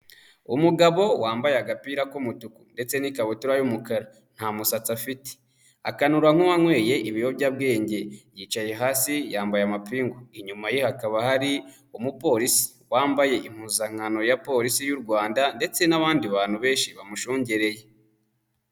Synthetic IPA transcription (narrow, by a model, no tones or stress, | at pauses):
umuɡaβo̞waːmbajeaɡapiɾakomutukunde̞t͡se̞nikaβotuɾajumukaɾa | n̥hamusat͡safite̥ | a̰kanuɾaŋ̥uwaŋwe̞ːje̞ʔiβijo̞bɟab̚ɡe̞ːɲɟe̞jiːt͡ʃaje̞ɦaːsijaːmbajamapiːŋɡoiɲumajihakaβahaɾi | umupo̞ːɾisi̥waːmbaje̞ʔim̥huːzaŋ̥ano̞japo̞ɾisijuɾɡwaːndande̞t͡se̞naβaːndiβaːn̥huβe̞ːnʃiβamuʃuːɲɟeɾe̞je